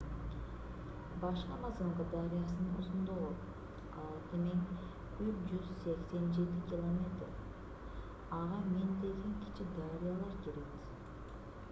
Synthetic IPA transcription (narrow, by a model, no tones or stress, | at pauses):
bɑʃqɑmɑzɯmqɯd̪ɑɾijasɯnosund̪olˠop | ɑlˠt̪ɨmeŋ | yt͡ʃd͡ʒyzse̞kse̞nd͡ʒe̞t̪ikʲilˠomʲe̞t̪ɾ | ɑʁɑme̞nd̪e̞ɡʲe̞ŋkʲi̥t͡ʃid̪aɾijalˠɑɾkiɾibiz̥